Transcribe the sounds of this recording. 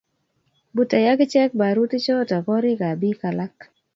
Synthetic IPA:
bu˨ta˨ja˦ɡɪ˦t͡ʃɛ˦k̚ba˨ɾu˦tɪ˦t͡ʃɔ˦tɔ˨kɔ˦ɾɪ˦ka˨bi˦ka˨la˦k

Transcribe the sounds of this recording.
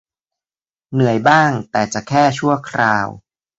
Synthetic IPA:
nɯ˨˩əjbaː˥˩ŋt̪ɛː˨˩t͡ɕa˨˩kʰɛː˥˩t͡ɕʰu˥˩əkʰɾaː˧w

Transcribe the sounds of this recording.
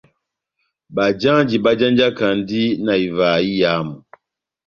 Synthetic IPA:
ba˨d͡ʒa˦d͡ʒi˨ba˦d͡ʒã˦nd͡ʒa˦ka˨n˦di˦na˨i˨va˨i˦ja˨˦mu˨

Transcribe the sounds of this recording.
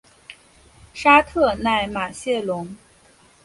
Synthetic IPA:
ʂa˥t̪ʰɤ˥˧na˥˩ɪma˨˩ɕjɛ˥˩lʊ˧˥ŋ

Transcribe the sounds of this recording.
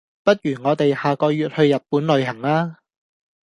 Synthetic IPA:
pɐ˥t̚ɥyː˨˩ŋɔː˨˧t̪e˨jhaː˨kɔː˧jyː˨t̚hɵ˧ɥjɐ˨t̚puː˨˥nlɵ˨˧ɥɦɐ˨˩ŋaː˥

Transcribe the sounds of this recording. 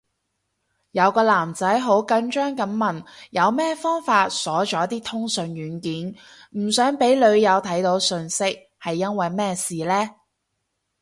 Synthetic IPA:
jɐ˨˧wkɔː˧laː˨˩mt͡sɐ˨˥jɦo˨˥wkɐ˧ŋt͡ʃœː˥ŋkɐ˨˧˥mmɐ˨˩njɐ˨˧wmɛː˥˧fɔː˥ŋfaː˧t̚sɔː˨˥t͡ʃɔː˨˥t̪iː˥t̪ʰʊ˥ŋsɵ˨˧ŋjyː˨˥nkiː˨˥n | m̩˨˩sœː˨˥ŋpe˨˥jlɵ˨˧ɥjɐ˨˧wt̪ʰɐ˨˥jt̪o˨˧˥wsɵ˧nsɪ˥k̚ | hɐ˨jːɐ˥nwɐ˨jmɛː˥siː˨lɛː˥

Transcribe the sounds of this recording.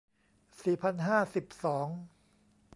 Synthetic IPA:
siː˨˩pʰa˧nɦaː˥˩si˨˩p̚sɔː˩˦ŋ

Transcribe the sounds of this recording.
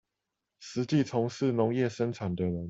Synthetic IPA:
ʂɻ̩˧˦t͡ɕi˥˨t͡sʰʊ˧˥ŋʂɻ̩˥˨nʊ˧˦ŋjɛ˥˨ʂə˦nʈ͡ʂʰa˨˩nd̪ə˦ɻə˧˦n

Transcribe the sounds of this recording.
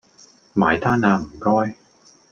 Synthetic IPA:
ma̰ː˨˧jt̪ʰaː˥naː˧m̩˨˩kɔː˥j

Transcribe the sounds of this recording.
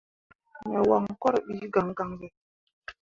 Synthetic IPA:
ɲɛ˨wa˨ŋ˨kɔ˦ɾɓi˨˦ɡa˨ŋ˦ɡa˨ŋɡɛ˨

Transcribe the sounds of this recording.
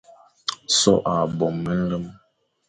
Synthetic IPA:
sɔ̰˦ʔa˨bɔ˨mːə˦n̩˦lə˦m

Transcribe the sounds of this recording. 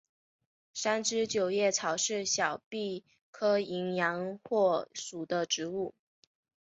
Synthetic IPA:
ʂa˥nʈ͡ʂɻ̩˥t͡ɕjo˨˩ʊjɛ˥˩t͡sʰɑ˧˥ʊʂɻ̩˥˩ɕjɑ˨˩ʊpi˥˩ | kʰɤ˥i˧˥ŋjɑ˧˥ŋxwɔ˥˩ʂu˨˩d̪ə˦ʈ͡ʂɻ̩˧˥u˥˩

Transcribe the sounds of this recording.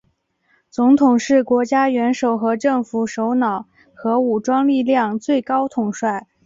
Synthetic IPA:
t͡sʊ˧˥ŋt̪ʰʊ˨˩ŋʂɻ̩˥˩kwɔ˧˥t͡ɕja˥ɥɛ˧˥nʂo˨˩ʊxɤ˧˥ʈ͡ʂɤ˥˩ŋfu˨˩ʂo˧˥ʊnɑ˨˩ʊ | xɤ˧˥u˨˩ʈ͡ʂwɑ˥ŋli˥˧ljɑ˥˩ŋt͡swe˥˩ɪkɑ˥ʊt̪ʰʊ˨˩ŋʂwa˥˩ɪ

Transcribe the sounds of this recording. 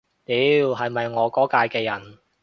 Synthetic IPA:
t̪iː˨˥wɦɐ˨jmɐ˨jŋɔː˨˧kɔː˨˥kaː˧jkɛː˧jɐ˨˩n

